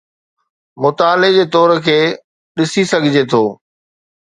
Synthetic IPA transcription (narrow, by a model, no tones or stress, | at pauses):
mʊt̪aːled͡ʑeːt̪ɔːɾkʰeː | ɗɪsisɐɡʱɪd͡ʑet̪ʰoː